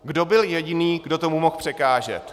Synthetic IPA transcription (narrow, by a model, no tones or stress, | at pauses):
ɡdo̞bɪljɛɟɪniːɡdot̪o̞mumo̞xpr̝̥ɛkaːʒɛ̰t̪